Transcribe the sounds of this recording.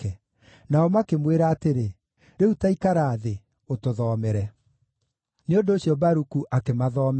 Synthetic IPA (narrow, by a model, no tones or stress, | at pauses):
ɛ | naɔmakemweɾaːteɾe | ɾeutaikaɾaːðe | otoðɔːmɛɾɛ | neondoːɕjɔbaɾukuʔakemaðɔːm